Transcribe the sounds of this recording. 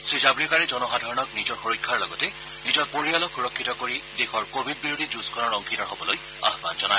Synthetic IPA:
sɹizabɹikaɹɛzɔnɔxadʱaɹɔnɔk̚nizɔɹxoɹikʰːaɹlɔɡɔtɛ | nizɔɹpoɹijalɔkʰuɹɔkʰːitɔkoɹidexɔɹkobʱid̚biɹodʱid͡ʒuskʰɔnɔɹɔŋkʰitɔɹɦobɔloj | a̰ɦba̰nzɔnaj

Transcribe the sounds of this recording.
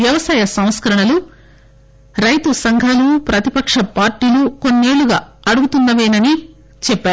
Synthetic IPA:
jɐʋɐsaːjɐsɐw̃skɐɾɐɳɐlu | ɾɐjt̪usɐŋɡʱɐlupɾɐt̪ipɐkʂɐpaːɾʈiːluko̞nːe̞ːɭuɡaːɐɽuɡut̪und̪ɐʋeːnɐni | t͡ʃɛpːaː

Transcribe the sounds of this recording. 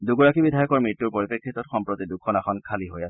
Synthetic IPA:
duɡɔɹakibidʱajɔkɔɹmɹitːuɹpoɹipekʰːitɔtxɔmpɹɔt̪idukʰːɔnaxɔnkʰaliɦojasɛ

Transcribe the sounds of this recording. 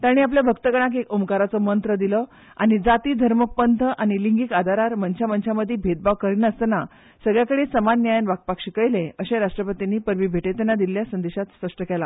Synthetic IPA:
t̪aɽ̃iːap̬ljabʱəkt̪əɡəɽ̃ak̬ekumkaɾat͡səmənt̪ɾəd̪ilə | a̰ɽ̃id͡zat̪iːd̪ʱəɾmək̚pənt̪ʰəʔañiliŋɡikad̪ʱaɾaɾmənt͡ɕamənt͡ɕaməd̪ʱːibʱed̪̚baʋkəɾinəst̪na | səɡɭjakəɽeːsəmanːjajənʋak̚pakɕikəjlẽəɕẽɾaʂʈɾəpət̪inːiːpəɾʋiːbʱeʈet̪ɛnːad̪ilːjasənd̪eɕat̪spəʂʈəkela

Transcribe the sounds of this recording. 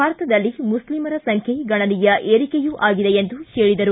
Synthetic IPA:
aːɾɐt̪ɐd̪ɐlːimuslimɐɾɐsɐŋkʰeɡɐɳɐnijɐʔeːɾikejuʔaːɡid̪ejend̪uheːɭid̪ɐɾu

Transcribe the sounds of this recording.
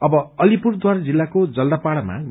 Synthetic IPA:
ʌbʌʌlipurd̪waɾad͡zilːakod͡zʌld̪apaɽʌma̰

